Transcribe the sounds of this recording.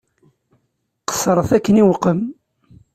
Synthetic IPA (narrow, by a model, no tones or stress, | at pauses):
qə̥sɾˤəθækːəniwəqəm